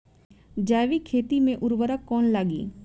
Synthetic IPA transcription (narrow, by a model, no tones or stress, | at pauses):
d͡ʒaːʋikʰeːt̪imẽʔʊɾʋəɾəkːɔːnlaːɡḭː